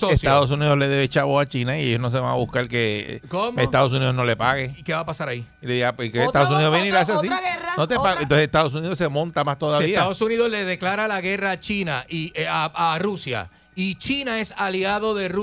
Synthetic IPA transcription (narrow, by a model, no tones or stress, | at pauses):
soest̪aðo̞s̬uniðozle̞ðe̞βet͡ʃaβoat͡ʃinaiejosnos̬e̞βaŋaβuhkaɾke̞̰komest̪aðo̞s̬uniðo̞zno̞le̞paɣeikeβapasaɾaiileðiɣapwekeet̪aðos̬uniðoβjeniɾaβes̬esas̬inot̪epaɣent̪oseset̪aðo̞s̬uniðose̞mõ̞nt̪amast̪o̞ðaβiaaðosuniðosleðeklaɾalaɣe̞raːt͡ʃinaiarusja̰ | it͡ʃinae̞saliaðo̞ðe̞r